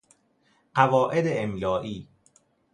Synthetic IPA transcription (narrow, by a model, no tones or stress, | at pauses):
ɢævɒːʔed̪eːmlɒːʔiː